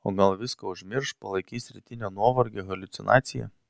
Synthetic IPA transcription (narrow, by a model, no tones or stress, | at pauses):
o̰ːɡɐlˠʋʲɪskɐʊʒʲmʲɪɾʃpɐlˠɐɪkʲiːsʲɾʲɪt̪ʲɪnʲonuɔʋɐɾʲɡʲeɣɐlʲʊt̪sʲɪnɑ̰ːt̪sʲɪjɛ̰